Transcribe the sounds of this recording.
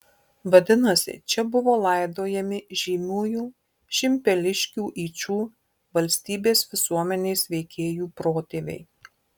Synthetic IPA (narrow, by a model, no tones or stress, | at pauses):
ʋɐd̪ʲɪnɐsʲɪ̰t͡ʃʲɛbʊʋoːlˠɐˑɪd̪oːjɛmʲɪʒʲiːmʲuːjuː | ʃʲɪmʲpʲɛlʲɪʃʲkʲuːʔiːt͡ʃʲuː | ʋɐlʲsʲt̪ʲiːbʲeːsʋʲɪsuɔmʲɛnʲeːsʋʲɛɪkʲʰeːjuːpɾoːt̪ʲeːʋʲḛɪ